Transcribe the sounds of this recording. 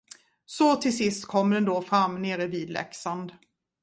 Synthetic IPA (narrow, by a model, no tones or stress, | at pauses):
sɔt̪ʰɪlsɪst̪kʰɔmːd̪ɛnd̪oːfɾamːneːɾəviːd̪lɛ̰ksand̪